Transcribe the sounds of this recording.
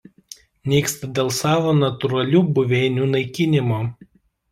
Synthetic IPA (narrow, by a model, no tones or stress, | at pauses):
nʲiːkst̪ɐd̪ʲeːlˠsɑːʋoːnɐt̪ʊɾɐlʲuːbʊʋʲɛɪnʲuːnɐɪkʲɪnʲɪmoː